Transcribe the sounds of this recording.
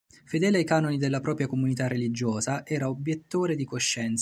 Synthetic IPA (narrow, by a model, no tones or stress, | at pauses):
fed̪ɛːleajkaːnonid̪elːapɾɔːpɾjakomunit̪arːelid͡ʒːoːzaʔɛːɾaobjet̪ːoːɾed̪ikoʃːɛnt̪s